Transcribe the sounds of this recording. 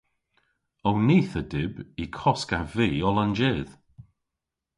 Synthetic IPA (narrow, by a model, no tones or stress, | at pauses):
ɔwniːθədɪbikʰɔskaviːɔlˠand͡ʒeːð̥